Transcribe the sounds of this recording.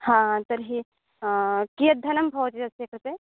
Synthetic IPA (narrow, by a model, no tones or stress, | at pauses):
hãːt̪ɐɾɦi | kijɐd̪ʱɐnɐmbʱoːt̪d͡ʒɐsekɾɐt̪e